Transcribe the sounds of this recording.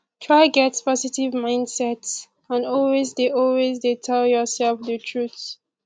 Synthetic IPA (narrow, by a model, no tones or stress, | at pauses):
tʰɹaɪɡɛtspɔzitivmãɪ̃ndsɛts | ãnɔlwezdeʔɔlwezdetʰɛljɔsɛlfdətʰɹuθ